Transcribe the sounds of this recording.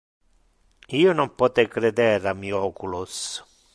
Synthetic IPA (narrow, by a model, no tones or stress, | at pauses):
iːʊnɔmpɔt̪ɛkɾɛd̪ɛɾamːiɔːkulʊs